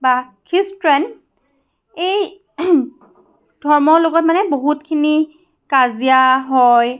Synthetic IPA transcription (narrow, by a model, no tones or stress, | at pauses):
bakʰistɹɛn | ej | d̥ʱɔɹmɔɹloɡɔt̚manɛboɦutkʰini | kazijaɦɔj